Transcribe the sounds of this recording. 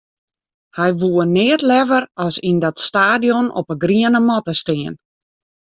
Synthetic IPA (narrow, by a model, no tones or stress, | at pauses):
hɛjʋuənɪətlɛvərɔsindɔtstaːdijɔnɔ̰pəɡriənəmɔtəstɪən